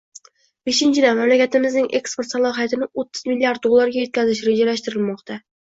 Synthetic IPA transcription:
b̥eʃɪnt͡ʃʰɪd̪amamlakʲat̪ɪmɪznɪŋʔe̞kspoɾt̪salˠɒɦijat̪ɪnɪot̪ʰːɪ̥zmilːiaɾt̪̚d̪olˠːaɾɡʲajot̪̚kʲʰazɪʃ̬ɾed͡ʒalaʃt̪ɪɾɪlmɒqt̪ʰa

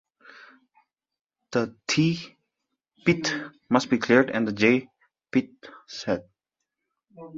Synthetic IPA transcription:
ð̥ətʰi | pit | mʌst̚b̥ikʰliɹdɛ̰̃nðəd͡ʒeɪ | pit̚sɛd̚

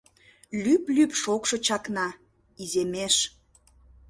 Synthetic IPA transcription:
lyplypʃokʃot͡ɕɑknɑ | izemeʃ

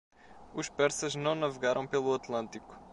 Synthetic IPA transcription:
uʃpɛɾsɐʒnɐ̃w̃nɐvɨɣaɾɐ̃w̃pelˠuɐt̪lˠɐ̃nt̪iku̥

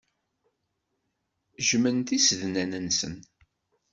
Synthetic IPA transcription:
ʒmənt̪isəðnænənsə̰n

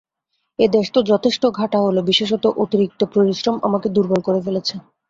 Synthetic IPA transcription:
ed̪eʃʈ̪od͡ʑɔt̪ʰeʃʈoɡʱaʈaɦolobiʃeʃ̬ɔt̪oʔot̪iɾik̚t̪opɾoɾiʃɾoma̰maked̪uɾbolkoɾefelet͡ɕʰe

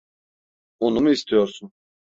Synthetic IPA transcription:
onumɯist̪ʰijoɾsun

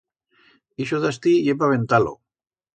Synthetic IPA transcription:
iʃoðast̪ijepaβent̪alo̰

